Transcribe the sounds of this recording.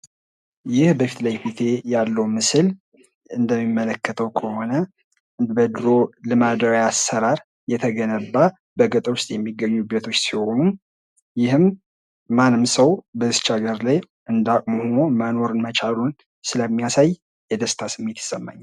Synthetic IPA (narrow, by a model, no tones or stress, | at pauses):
jɪhbəfit̪lajfit̪ʰe̞jalːəwmɨsɨl | ɨnd̪əmːimːələkːət̪ʰəwkʰəho̞nə | bəd̪ɾo̞lɨmad̪awjasːəɾaɾ | jɛt̪ʰəɡənəbːa | bəɡət̪ʼəwʊst̪ʼjɛmːiɡːəɲːubət̪ʰo̞t͡ʃːsiho̞nu | jɪhɨmː | anːɨmsəwbəst͡ʃaɡəɾlaj | ʔɨnd̪akʼməhonoməno̞ɾɨnmət͡ʃʼalun | sɨləmːijasaj | jɛd̪əst̪ʰasɨmːe̞t̪ɪ̥sʼːəmːa̰ɲːa